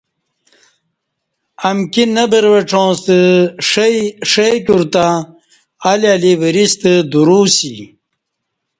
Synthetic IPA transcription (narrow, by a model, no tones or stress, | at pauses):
amkinəbəɾʋəʈ͡ʂõːst̪əʂʂekuɾt̪aː | laliwəɾist̪əd̪uɾuːsḭ